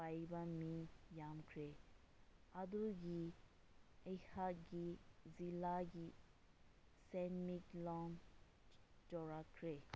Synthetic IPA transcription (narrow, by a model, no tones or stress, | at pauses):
ajbamijamkʰɾe | ad̪uɡi | əjhaɡizilaɡi | sɛnmiklɔŋ | d͡ʒɔɾakʰɾe